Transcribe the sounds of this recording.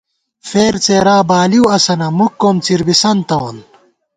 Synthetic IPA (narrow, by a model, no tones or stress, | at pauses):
feːɾt͡seːɾaːbaːliwɐsɐnɐmukːomt͡siɾbisɐnt̪ɐwn